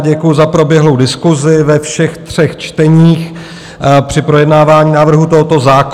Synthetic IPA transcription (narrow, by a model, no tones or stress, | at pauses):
ɟɛkujʊzapɾo̞bjɛɦlo̞wdɪskuzɪvɛfʃɛxt̪r̝̥ɛxt͡ʃt̪ɛɲiːx | pr̝̥ɪpɾo̞jɛdnaːvaːɲiːnaːvr̩ɦut̪oɦot̪o̞zaːk